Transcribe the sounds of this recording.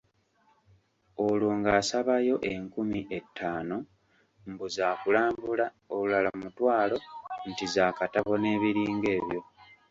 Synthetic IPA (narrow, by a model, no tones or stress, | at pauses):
oluːŋɡaːsaβajo̞ʔe̞ŋkumiʔe̞tːaːno̞ | mbuzaːkulaːmbula | oulalamutwaːlo̞ntizaːkataβo̞ne̞ːβiɾiːŋɡe̞ːβjo̞